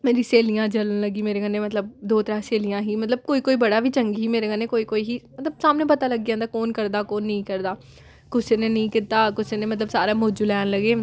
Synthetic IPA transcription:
meːɾiːseːlijãːd͡ʒələnləɡiːmeːɾeːɡənːeːmət̪ləbd̪oːt̪əɾaːseːlijãːɦiːmət̪ləb̚koːiːkoːiːbəɽaːʋiːt͡ʃəŋɡɦiːmeːɾeːɡənːeːkoːiːkoːiːɦiːmət̪ləbsaːmnẽːpət̪aːləɡiãːnd̪aːkoːnkəɾd̪aːkoːnːəĩːkəɾd̪aː | kʊseːnẽːnəĩːkɪt̪aːkʊseːneːmət̪ləbsaːɾeːmoːd͡ʒuːlɛːnləɡeː

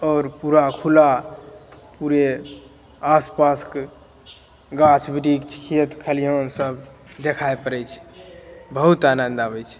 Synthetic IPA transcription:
ɔːɾpuɾakʰula | puɾe | aspask | ɡat͡ʃʰbiɖikt͡ʃʰkʰit̪kʰəlionsəbd̪ekʰaepəɾɛt͡ʃʰ | bəɦut̪anənd̪abɛjt͡ʃʰ

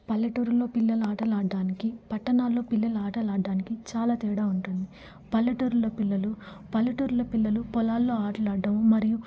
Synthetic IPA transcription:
pɐlːɐʈuɾulːo̞ːpilːɐluaːʈɐlaːɖːaːnikipɐʈːɐnaːlːo̞ːpilːɐluaːʈɐlaːɖːaːnikit͡ʃaːlaːt̪ɛːɽaːuɳʈund̪i | pɐlːɐʈuɾuloːpilːɐlupɐlːɐʈuːɾulɐpilːɐlupɔlaːlːo̞ːaːʈɐlaːɖːɐmumɐɾiju

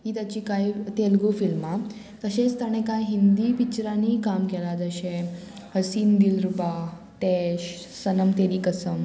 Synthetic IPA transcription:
ɦiːt̪jat͡ɕiːkajt̪elɡufilma | t̪əɕẽt͡st̪ʰaɽ̃ekajɦind̪ipit͡ɕɾanikamkɛlad͡zəɕẽ | həsiːnd̪ilɾupa | ʈɛɕ | sənəmt̪eɾiːkəsəm

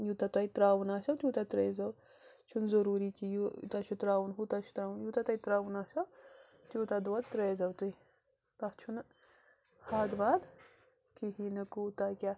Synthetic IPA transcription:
jut̪at̪ɐjt̪ɾaːwunaːʃɐwt̪juːt̪at̪ɾeːzɐw | t͡ʃʰunzɐɾuːɾiːkijṵt̪at͡ʃʰut̪ɾaːwunɦut̪at͡ʃʰu̥t̪ɾaːwunjut̪at̪ɐit̪ɾaːwunaːʃɐw | t̪ʲjut̪ad̪uɐd̪t̪ɾeːzɐwt̪ui | t̪ɐt͡ʃʰun | haːd̪baːd̪ | kiɦinɨkuːt̪akʲa

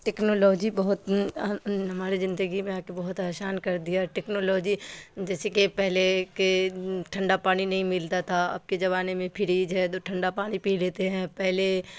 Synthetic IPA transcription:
ʈɛːknoːlɔːd͡ʒibɐɦʊt̪ | ɦɐmaːɾizɪ̃nd̪əɡimẽaːkebɐɦʊt̪aːʃaːnkɐɾd̪ijaʈɛːknoːlɔːd͡ʒid͡ʒɛːsekepɛɦlekeʈʰɐ̃ɳɖapaːninɐɦĩmɪlt̪at̪ʰaɐ̰b̚ked͡ʒɐβaːnemẽpʰɪɾiːd͡ʒɦɛt̪oːʈʰɐ̃ɳɖapaːnipiːleːt̪eɦɛ̃ːpɛɦle

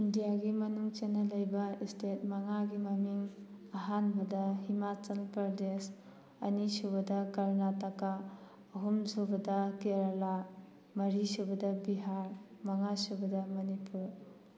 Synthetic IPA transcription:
indijaɡimɐnuŋt͡ʃenːɐlɐjbɐistet̚maŋaɡimɐmiŋ | aɦanbɐdɐhimat͡ʃɐlpɐɾdes | ɐ̰nisubɐdɐkaɾnatakaː | ɦumzobɐdɐkeɾala | mɐɾisubɐdɐbiɦaɾmaŋasubɐdamɐnipʰuɾ

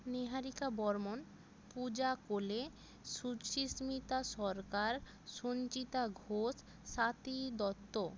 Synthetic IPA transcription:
niɦaɾikabɔɾmon | pud͡ʑakole | ʃuʃismit̪aʃɔɾkaɾ | ʃont͡ɕit̪aɡʱoʃː | at̪id̪ɔt̪ːo

